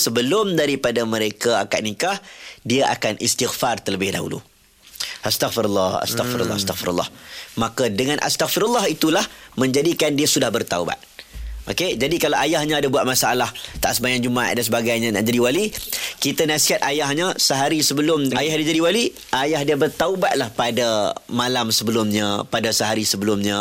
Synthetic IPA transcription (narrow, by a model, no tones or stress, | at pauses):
səbəlʊmdaɾipadaməɾekaa̰ka̰ʔ̪̚nikahdiaʔa̰kanist̪iɣfart̪ələbɪhda̰ɦṵlṵ | ʔast̪aɣfiɾulːɑha̰st̪afiɾṵl̰ːast̪aɣfiɾṵlːɑ̰hmakadəŋanʔa̰st̪akfiɾulːɑhit̪ulahmə̃ɲd͡ʒadikandiasudahbərt̪auba̰t̪̚ʔoked͡ʒadikalaajahɲãːdabuat̪̚masaalaht̪a̰ʔsəmajaŋd͡ʒuma̰ʔ̚dansəbaɡajɲãnã̰ʔd͡ʒadiwalikit̪anasiɦat̪̚ʔajahɲasəɦaɾisəbəlʊmajahdiad͡ʒadiwali | ʔajahdiabərt̪aubat̪̚lahpadamalamsəbəlʊmɲapadasəɦaɾisəbəlʊmɲa